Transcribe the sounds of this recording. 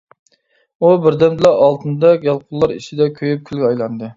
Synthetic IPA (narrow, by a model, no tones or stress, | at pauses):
ubɪɾd̪ɛmd̪ɨlˠɑɑlˠt̪ʰɨnd̪ɑɡʲɑlˠqʰʊlˠlˠɑɾiʃʰid̪ɛkʲʰøjyp̚kʲʰylɡʲɛɑjlˠɑnd̪ɨ